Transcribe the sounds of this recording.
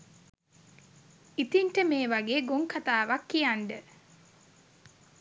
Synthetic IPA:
it̪inʈəmeːʋaɡeːɡoŋkat̪aːʋakːijaɳɖə

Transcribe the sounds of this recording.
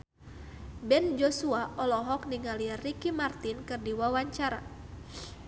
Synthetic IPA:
bɛnd͡ʒɔsuaʔɔlɔɦɔk̚niŋalirikimart̪inkɨrdiwawaɲt͡ʃaɾa̰

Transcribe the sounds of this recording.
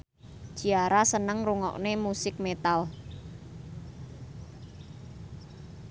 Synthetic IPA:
ʒ̥iaɾasənəŋruŋɔ̰knemusɪk̚met̪al

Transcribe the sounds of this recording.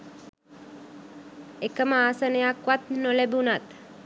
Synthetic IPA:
ekəmaːsənəjakʋat̪nolebunat̪

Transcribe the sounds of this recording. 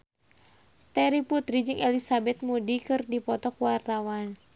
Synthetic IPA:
t̪ɛɾiput̪ɾid͡ʒɨŋʔɛlisabɛt̪̚mudikɨrdipɔt̪ɔkuwart̪awan

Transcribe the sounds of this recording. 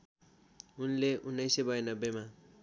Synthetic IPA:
unleʔunːʌjsebʌjnʌbema

